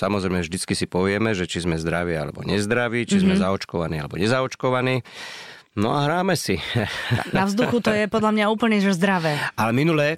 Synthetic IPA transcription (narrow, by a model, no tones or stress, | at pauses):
samɔzɾɛɪmɛvʒd̪it͡skisipɔʋɪɛmɛʒɛt͡ʃizmɛzd̪ɾaʋiːa̰lɛ̰bɔ̰ɲɛzd̪ɾaʋiːt͡ʃizmɛzaɔt͡ʃkɔʋaniːa̰lɛbɔɲɛzaɔt͡ʃkɔʋaniː | nɔ̰aɦɾaːmɛsi | naʋzd̪uxut̪ɔjjɛpɔd̪ʎamɲauːpl̩ɲiʒzd̪ɾaʋɛːalɛminulɛː